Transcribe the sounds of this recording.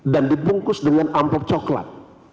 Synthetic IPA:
dandipuŋkʊsdəŋanʔampɔp̚t͡ʃɔkla̰t̪̚

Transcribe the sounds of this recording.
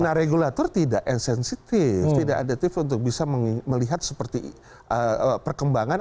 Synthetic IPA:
naɾeɡulat̪ɔrt̪idaʔɛnsɛnsit̪ɪft̪idaʔadat̪ɪfunt̪ʊk̚bisaməməliɦat̪̚səpərt̪i | ʔəpərkəmbaŋan

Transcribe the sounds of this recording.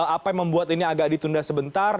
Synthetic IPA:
apajməmbuat̪iniaɡak̚dit̪undahsəbənt̪ar

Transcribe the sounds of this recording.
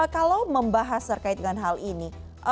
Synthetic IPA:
kalawməmbaɦast̪ərkait̪̚dəŋanɦalʔini | ʔə

